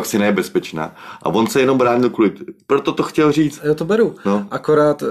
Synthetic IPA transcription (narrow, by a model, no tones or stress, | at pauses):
aksɪnɛbɛspɛt͡ʃna̰ːʔa̰vo̞nsɛjɛno̞mbɾaːɲɪlkulɪppɾot̪ot̪oxcɛlr̝iːt͡st̪joːt̪obɛɾunoʔakoɾaːt̪